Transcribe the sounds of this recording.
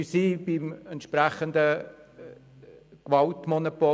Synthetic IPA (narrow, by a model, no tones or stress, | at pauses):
ysiːbɪmɛntʃprɛχəndə | kʋɑltmonopo